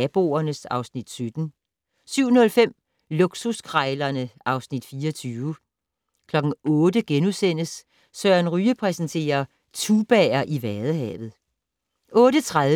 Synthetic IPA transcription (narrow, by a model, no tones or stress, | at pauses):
æb̥o̝̰ɐnəsɑ̈ʊsnid̥sød̥n̩ | syʊ̰nɔ̽lfem̰ | loɡ̥suskʰʁɑɪlɐnəʔɑ̈ʊsnid̥fiːɐɒt͡sʰyːʊə | kʰlɒ̽ɡ̥n̩ɔ̽ːd̥əɡ̥enusen̰əs | sœɐnʁyːəpʰʁɛsn̩t͡sʰe̝̰ːɐ | t͡sʰub̥ɛɐʔiʋæɐðˠəɦɛ̰ːʋð̩ˠ | ʔɔ̽ːɾət͡sʰʁaðˠ